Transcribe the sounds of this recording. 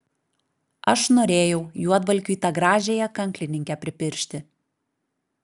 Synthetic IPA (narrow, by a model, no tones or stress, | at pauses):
ɐʃnoːɾʲeːjɛʊjuɔd̪ʋɐlʲkʲuit̪ɑɡɾɑːʒʲeːjɛkɐŋʲklʲɪnʲɪŋʲkʲɛpʲɾʲɪpʲɪɾʲʃʲt̪ʲɪ